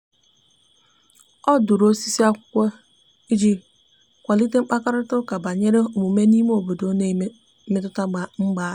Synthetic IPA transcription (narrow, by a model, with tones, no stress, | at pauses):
ɔ˦dʊ˨ɾo˦si˦si˦a˦kʷʊ̥˦kʷe˦ | i˦d͡ʒi˦ | kʷa˨li˦te˦ŋ͡m̩˦k͡pa˦ka˦ɾʊ˦tʊ˦ka˨ba˨ɲe˦ɾe˦o˨mu˨me˦ni˦me˦o˨bo˨do˦ne˦ | me˦tʊ˦ta˦ɡ͡ba˨ŋ͡m̩˦ɡ͡ba˦˨